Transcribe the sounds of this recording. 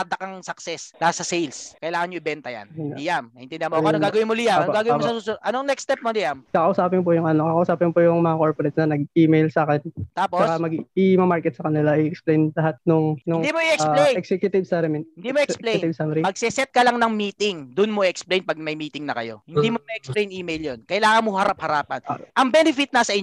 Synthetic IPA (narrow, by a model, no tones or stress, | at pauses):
ɐd̪ɐkɐŋsɐksɛslaasɐsejlskɐʔɪlaːŋɐnɲoɪbɛnt̪ɐja̰nɪjamɐʔɪnɛnd̪ɪanmokʔɐnoŋɡaːɡɐwɪnmolɪjaɐnoɡaːɡɐwɪmosɐsusʊʔɐnoŋnɛkst̪ɛp̚mod̪ɪjamkɐkɐʔʊsaːpɪnpʊjʊŋʔɐnokɐkɐʔʊsaːpɪnpojʊŋmɐŋakoɹpoɾɛt̪snɐnɐɡ̚iːmejlsaːkɛnt̪aːpoɐskamɐɡɪmɐmaɹkɛt̪̚sɐkɐnɪlaʔɪɛksplejnlɐɦat̪̚nʊŋnʊŋd̪imoiɛksplejɛksɛkjʊt̪ɪbsɐɾɛmɪnɪd̪imoɛksleɪvsamɾimɐɡ̚sɛsɛt̪̚kɐlaŋnɐŋmiːt̪ɪŋd̪ʊnmoʔiʔɛksplejnpɐɡ̚mɐjmiːt̪ɪŋnɐkɐ̰jo̞̰hɪnd̪imomɐʔɛksplejnʔiːmejljonkɐjlaːŋɐnmoɦɐɾap̚hɐɾaːpɐ̰nʔɐŋbɛnɪfɪt̪̚nɐsɐʔɪɲ